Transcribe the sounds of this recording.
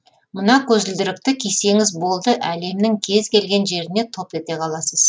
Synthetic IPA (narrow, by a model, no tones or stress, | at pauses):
mənɑkʲʰɵzɪld̪ɪɾɪkt̪ɪkʲʰese̞ŋɪzbo̞lˠd̪əʔæle̞mnɪŋkʲʰe̞zkʲe̞lɡʲe̞nʒe̞ɾɪne̞t̪ʰo̞p̪̚e̞t̪e̞qʰɑlˠɑsəz